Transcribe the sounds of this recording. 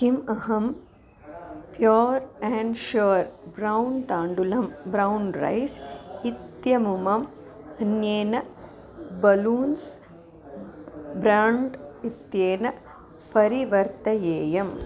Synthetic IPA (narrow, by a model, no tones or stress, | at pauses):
kimɐɦɐm | pjoːɾɛːɳɖʃɐːɾbɾɐwnt̪aːɳɖulɐmbɾɐwnɾɐ̰jsit̪jɐmumɐm | ɐnjeːnɐ | bɐluːns | bɾaːɳɖit̪jeːnɐ | pɐɾiʋɐɾt̪ɐjeːjɐm